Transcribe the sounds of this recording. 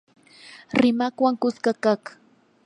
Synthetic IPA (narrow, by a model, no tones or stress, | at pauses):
ɾɪmakwaŋkʊskakaχ